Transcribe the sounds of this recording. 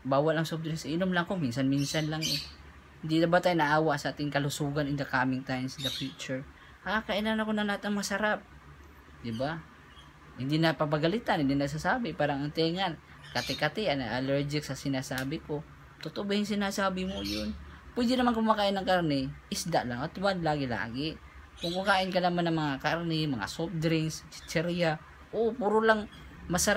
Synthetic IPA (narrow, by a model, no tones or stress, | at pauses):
baːwalɐŋsob̚d̪ɾɛnsɪʔɪnʊmlaŋkominsanminsanlaŋɛ | hɪnd̪ɪnɐbat̪aːjnaʔaːwaʔsaʔaːt̪ɪŋkɐlʊsuːɡanɪnd̪ɐkaːmɪŋt̪ajmsd̪ɐfjut͡ʃʊɹ | ʔakaʔɪnanɐkonɐnlahat̪ɐŋmɐmasɐɾap̚ | d̪ɪba | hɪnd̪ɪnɐpɐpaɡɐlɪt̪anhɪnd̪inɐɡs̬asaːbɪpaːɾaŋɐŋt̪ɛŋan | kat̪ɪkat̪ianaʔalɛɾd͡ʒɪksasinasabiko | t̪ot̪obihiŋsinasabimujʊnpuid͡ʒɪnamankumakaɪnːaŋkarnɛisd̪aʔlaŋat̪wanlaɡila̰ːɡi | kʊŋkukaʔɪnkalamanaŋmaŋakarnɛmaŋa̰sop̚d̪ɾɪŋst͡ʃt͡ʃɛɾia | opuɾulaŋmasaɾa